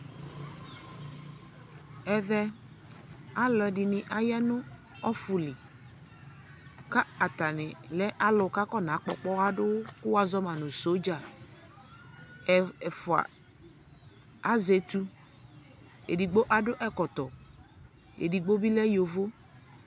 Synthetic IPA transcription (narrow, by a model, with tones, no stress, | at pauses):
ɛ˨ðɛ˦ | a˦lɔ˨ɛ˨dɪ˨nɪ˨ʔa˨ja˦nʊ̃˦ | ɔ˦fʊ˨lɪ˨ | ka˦a˨t̪a˨nɪ˨lɛ˦ʔa˦lʊ˨ka˦kɔ˦nã˨˦k͡pɔ˨k͡pɔ˦a˦dʊ˦kʊ˦wa˨zɔ˦ma˨nʊ̃˨so˨˦d͡ʒa˨ | ɛ˨ɛ˨fʊ˨a̰˨ | a˦ze˨t̪u˦ | ḛ˨di˨ɡ͡bo˦ʔa˦dʊ˦ʔɛ˦kɔ˨t̪ɔ˨ | ḛ˨di˨ɡ͡bo˦bi˦lɛ˦jo˨vo˦